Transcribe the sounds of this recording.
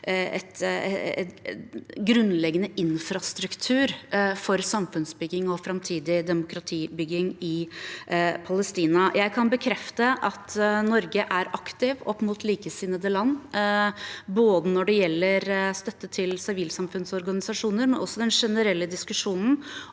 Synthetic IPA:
ɛ̰t̪ | ɡɾʉnːlɛɡənəʔɪnfɾɑst̪ɾʉkt̪ʰʉːɾfɔɾsɑmfʉnsbʏɡːɪŋɔfɾɑmt̪ʰiːd̪ɪd̪ɛmʊkɾɑt̪ʰiːbʏɡɪŋɪ | pʰɑləst̪iːnɑjʔæɪkʰɑnbəkʰɾɛft̪əʔɑt̪nɔɾɡəʔæɾʔɑkt̪ɪʋɔpːmuːt̪ʰliːkəsɪnəd̪əlɑnː | boːd̪ənɔɖɛjɛlːəɾst̪œt̪ːət̪ʰɪlsɪʋiːlsɑmfʉnsɔɾɡɑnɪsɑʂuːnəɾmɛnʔɔsːɔd̪ɛnʂɛnəɾɛlːəd̪ɪskʉʂuːnn̩

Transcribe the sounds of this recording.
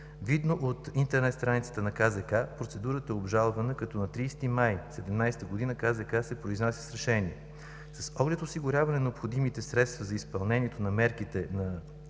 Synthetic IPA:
vid̪noʔot̪int̪ɛɾnɛt̪st̪ɾanit̪sə̥t̪ənɐkazɛkapɾot̪sɛd̪uɾət̪əɛobʒalˠvɐnəkɐt̪ɔnɐt̪ɾiːst̪imajsɛd̪ɛmnajst̪əɡod̪inəkazɛkasɛpɾoiznasʲi̥sɾɛʃɛniɛ | sɐsɔɡlɛt̪osiɡʊɾʲavɐnɛnɛopxod̪imit̪ɛsɾɛt̪st̪vɐzɐispɐlˠnɛniɛt̪onɐmɛɾkit̪ɛnɐ

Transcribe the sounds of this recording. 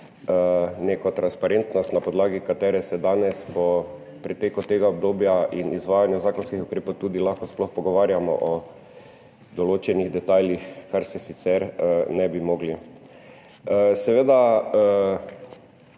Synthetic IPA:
neːkɔt̪ɾanspaɾent̪nɔst̪napɔd̪laːɡikat̪ɛːɾɛsɛd̪aːnɛspɔ | pɾit̪eːkut̪eːɡaɔb̚d̪oːbjainizʋaːjanjuzaːkɔnskixukɾeːpowt̪uːd̪ilaxkɔsplɔxpɔɡɔʋaːɾjamɔ̰ʔɔ | d̪ɔloːt͡ʃɛniɣd̪ɛt̪aːljixkaɾsɛsit̪sɛɾnɛbimoːɡli | sɛʋeːd̪a

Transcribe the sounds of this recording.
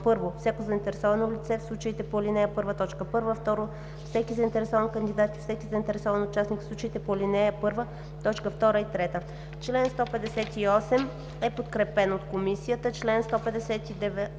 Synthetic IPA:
pɤɾvofsʲakozɐint̪ɛɾɛsɔvɐnolit̪sɛfslˠut͡ʃəit̪ɛpolinɛjəpɤɾvət̪ɔt͡ʃkəpɤɾvəft̪ɔɾo | fsɛkizəint̪ɛɾɛsɔvənkənd̪id̪at̪ifsɛkizəint̪ɛɾɛsɔvɐnot͡ʃasnikslˠut͡ʃəit̪ɛpolinɛjəpɤɾvə | t̪ɔt͡ʃkəft̪ɔɾəit̪ɾɛt̪ə | t͡ʃlɛnst̪ɔpɛd̪ɛsɛt̪iɔsɛm | ɛpot̪kɾɛpɛnot̪komisijət̪ət͡ʃlɛnst̪ɔpɛd̪ɛsɛt̪id̪ɛvɛ

